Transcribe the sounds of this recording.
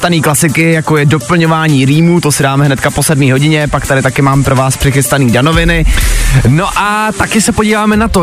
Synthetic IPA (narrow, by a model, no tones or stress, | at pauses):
t̪aniːklasɪkɪjakojɛdo̞pl̩ɲo̞vaːɲiːɾiːmuːt̪o̞sɪdaːmɛɦnɛt̪kapo̞sɛdmiːɦo̞ɟɪɲɛpakt̪aɾɪt̪akɪmaːmɛpɾo̞vaːspr̥ɪxɪst̪aniːdano̞vɪnɪ | no̞ʔat̪akɪsɛpoɟiːvaːmɛnat̪o